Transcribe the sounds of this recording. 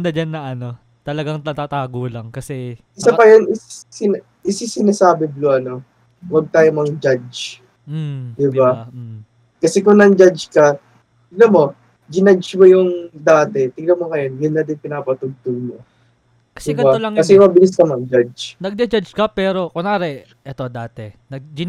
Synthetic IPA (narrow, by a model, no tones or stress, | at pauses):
d̪ɐd͡ʒanːɐʔɐno̞ | t̪ɐlɐɡaŋt̪ɐt̪aːt̪aːɡolɐŋkɐsɛ | ɪsapɐjonɪssɪn | ʔɪsɪsɪnasaːbɛbloʔɐno̞ | wɐɡ̚t̪aːjomɐŋɡd͡ʒad͡ʒ | m̩d̪ɪbba | kɐsɛkʊŋnɐŋd͡ʒad͡ʒkɐ | t̪ɪɡ̚lɐmo̞ | d͡ʒɪnɐd͡ʒmojʊŋd̪aːt̪ɛt̪ɪɡlɐmoŋɐjonjʊnːɐd̪ɪnpɪnaːpɐt̪ʊɡ̚t̪ʊɡ̚mo | kɐsɛkɐbalɐŋkɐsɛmɐbɪlɪskɐmɐɡd͡ʒad͡ʒnɐɡ̚d̪ɛd͡ʒad͡ʒkɐpɛːɾo̞konaɾɛ | ʔɛt̪o̞d̪aːt̪ɛnɐ